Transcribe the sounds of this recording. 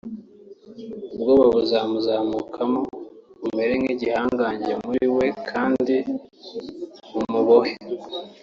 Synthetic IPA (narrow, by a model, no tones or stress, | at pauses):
ubɡoβaβuzaːmuzaːmuːkʰamoβume̞ɾe̞mhiːɟihaːŋɡaːɲɟemuɾiwe̞kʰaːndi | βumuβohe